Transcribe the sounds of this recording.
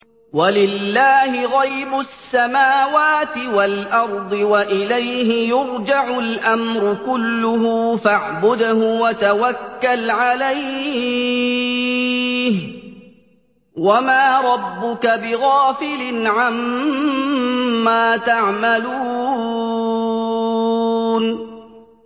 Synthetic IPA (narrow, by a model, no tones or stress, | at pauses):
walɪlːaːhɪɣajbʊsːamaːwaːt̪ɪwalʔɑɾˤd̪ˤɨwaʔɪlajɦɪjʊɾd͡ʒaʕʊlʔamɾʊkʊlːʊɦʊfaʕbʊd̪hʊwat̪awakːalʕalajhɪ | h | wamaːɾˤɑbːʊkabɪɣaːfɪlɪnʕam | aːt̪aʕmaluː | n